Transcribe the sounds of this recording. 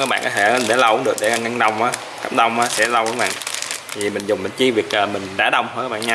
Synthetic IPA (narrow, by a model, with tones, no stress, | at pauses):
aː˦˥k̚ɓ̰ːkːɔ˦t̪ʰe˧˩˦ɗeɛ˧˦lə˧wɗɨ˨˩ək̚ɗe˧˩˧ŋa˧ŋɗə˧˩wŋ͡mʔaː˨˦ | ka˦˥p̚ɗə˧wŋ͡mʔaː˨˧˦sɛ̰˧˥lə˧wkə˨˧˦ɓa̰ː˧˨nt̪ʰi˨˩mï˨˩ŋ̟zʊ˨˩ŋ͡mɓi˨˩ŋ̟t͡ɕi˧vi˨˩ək̚ʔəː˨˩mï˨˩ŋ̟ɗaː˧˩ɗə˧wŋ͡mho˧kaː˦ɓa̰ː˧˨ɲa˧